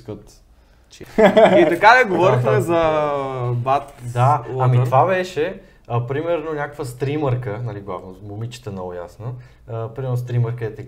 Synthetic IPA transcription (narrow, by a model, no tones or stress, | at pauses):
kət̪ | t͡ʃit̪ɐkad̪ɐɡovɔɾitxamɛzɐ | bat̪d̪aːmit̪vabɛʃɛ | əpɾimɛɾnonʲakə̥kvəst̪ɾiməɾkənɐliɡlˠa̰vnomomit͡ʃə̥t̪ənɔɡoja̰snə | pɾimɛɾnost̪ɾiməɾkəɛt̪ɛk